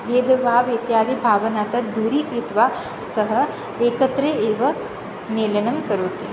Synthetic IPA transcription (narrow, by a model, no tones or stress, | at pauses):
jeːd̪ɐʋaːʋet̪jaːd̪ibʱaːʋɐnaːt̪ɐd̪uːɾiːkɾɪt̪ʋaː | sɐɦɐ̆ | eːkɐt̪ɾeːeːʋɐ | neːlɐnɐmkɐɾoːt̪eː